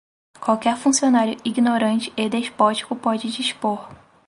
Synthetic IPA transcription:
kwawkɛɾfũsionaɾjʊiɡinoɾɐ̃t͡ʃɪ̥ed̪eʃpɔt͡ʃi̥kʊpɔd͡ʒɪd͡ʒiʃpoɾ

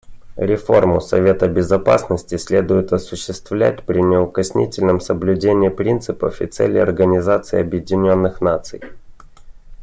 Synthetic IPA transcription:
ɾʲɪfo̞rmʊsɐ̰vʲe̞t̪əbʲɪzɐpa̰snəsʲtʲɪsʲlʲe̞d̪ʊjɪt̪ɐsʊɕːɪst̪vlʲæ̰t̚ʲpɾʲɪnʲɪʊkɐsʲnʲḭtʲɪlʲnəmsəblʲʉdʲenʲɪpɾʲint̪sɨpə̰fɪ̰t̪sɛ̰lʲɪ̰ɐ̰rɡənʲɪzat̪sɨɪɐbjɪdʲɪnʲo̞nːɨxnat̪sɨj

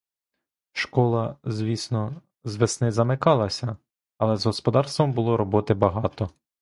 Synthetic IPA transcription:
ʃkɔlˠɐzʲʋʲisnɔ | zʋesnɪzɐmɪkɑlˠɐsʲɐ | ɐlˠɛzɦɔspɔd̪ɑrst̪ʋɐmbʊlˠɔɾɔbɔt̪ɪbɐɦɑt̪ɔ

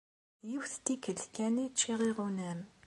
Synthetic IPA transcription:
jəwθt̪ikəɮkʲænit͡ʃːiʁiʁunæm

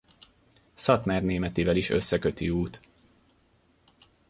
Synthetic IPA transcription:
sɒt̪maːrneːmɛt̪iːvɛliʃø̰sːɛkøt̪iuːt̪

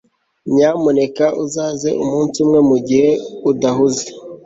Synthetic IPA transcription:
ɲaːmone̞kaʔuzaːzḛʔumuːnsumŋe̞muɟihe̞udaɦuze

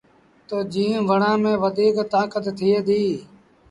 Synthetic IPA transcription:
t̪oːd͡ʒĩːʋəɳãːmẽːʋəd̪iːkt̪aːkət̪ːʰɪːeːd̪iː

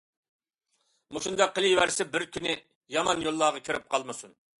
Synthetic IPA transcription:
muʃund̪ɑqʰːəlijwæɾsɪbɪɾkʲynɪ | jɑmɑnjolˠːɑːʁɑkʲʰiɾɪp̚qʰɑlˠmɨsun

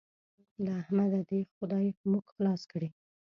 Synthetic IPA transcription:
laːhmad̪ad̪exʊd̪ɑjmuɡxlɑskɽe

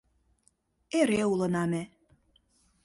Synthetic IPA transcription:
eɾeulɤ̆nɑme

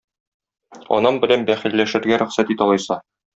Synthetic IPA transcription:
ɒ̰nɑmbɘ̆lænbæχilːæʃɘ̆ɾɡæɾɵ̆χsæt̪it̪ɒlˠɤjsɑ

